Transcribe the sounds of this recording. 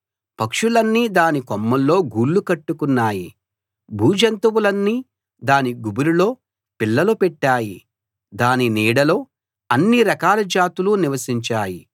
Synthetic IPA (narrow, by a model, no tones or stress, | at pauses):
pɐkʂulɐnːiːd̪aːnikɔmːɐllo̞ːɡuːlːukɐʈːukunːaːji | bʱuːd͡ʒɐnt̪ɐwulɐnːiː | d̪aːniɡubuɾulo̞ː | pilːɐlupɛʈːaːji | d̪aːniniːɽɐlo̞ː | ɐnːiɾɐkaːlɐd͡ʒaːt̪uluniʋɐsiɲt͡ʃaːji